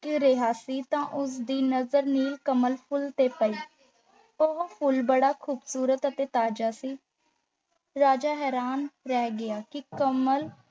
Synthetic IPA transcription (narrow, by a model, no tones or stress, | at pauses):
kɪɾeɦaːsiːt̪ãːʔʊsd̪iːnəzəɾniːlkəməlpʰʊlt̪eːpəiː | oɦopʰʊlbəɽaːkʰuːbsuːɾət̪ət̪eːt̪aːd͡ʒaːsiː | ɾaːd͡ʒaːɦɛːɾaːnɾɛːɡɪaːkɪkəməl